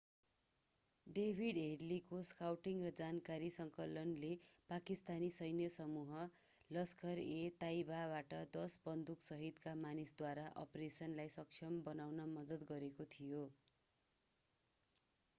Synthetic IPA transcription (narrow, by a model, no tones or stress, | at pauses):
ɖebʱiɖɦeɖlikoskawʈiŋrʌd͡zankaɾisʌŋkʌlʌnlepakist̪anisʌjnjʌsʌmuɦʌ | lʌskʌɾet̪aibabaʈʌd̪ʌsbʌnd̪uksʌɦid̪kamanisd̪waɾaʔʌ̰presʌnlajsʌk̚t͡ʃʰjʌmbʌnawnʌmʌd̪ʌt̪ɡʌɾekot̪ʰijo